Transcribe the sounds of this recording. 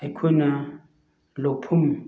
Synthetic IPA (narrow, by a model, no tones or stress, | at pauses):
ɪkʰʊna | lopʰʊm̩